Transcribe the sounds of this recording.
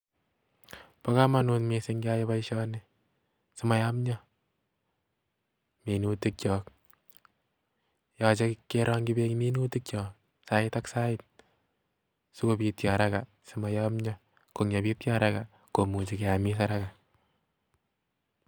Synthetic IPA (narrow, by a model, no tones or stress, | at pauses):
pakamanunmisɪŋɡiajɔpaiʃɔne | sɪmajamɲɔ | minutik̚t͡ʃɔːk | jɔt͡ʃekːeɾɔŋɡibeŋminutɪk̚t͡ʃɔk | saɪtaksaɪt̪̚ | sukopitjaɾaka | sɪmajamɲɔ | koŋjapitjaɾaka | komut͡ʃikeamis̬aɾaka